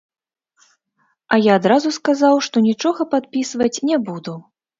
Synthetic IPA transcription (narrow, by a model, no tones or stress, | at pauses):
ɐjaːd̪ɾazuskazawʂt̪ɔnʲit͡ʂɔɣɐpat̪̚pʲisvɐt͡sʲnʲɛbud̪u